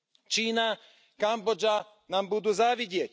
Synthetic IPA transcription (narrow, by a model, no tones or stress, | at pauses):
t͡ʃiːna | kambɔd͡ʒa | naːmbud̪uːzaʋiɟɪɛc